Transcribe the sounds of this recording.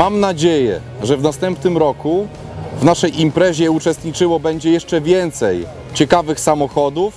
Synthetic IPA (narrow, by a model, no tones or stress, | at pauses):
amnad͡ʑejɛ̰ | ʐɛvnast̪ɛmpnɘmɾɔku | vnaʂɛjimpɾɛʑɛut͡ʂɛst̪ɲit͡ʂɘwɔbɛɲd͡ʑɛjɛʂt͡ʂɛvʲjɛnt̪sɛj | t͡ɕɛkavɘxsamɔxɔd̪uf